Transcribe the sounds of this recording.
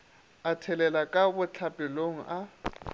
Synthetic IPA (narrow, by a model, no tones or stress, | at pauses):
atʰɛlɛlakʼabʊt͡ɬʰapʼɛloŋ̩ʔa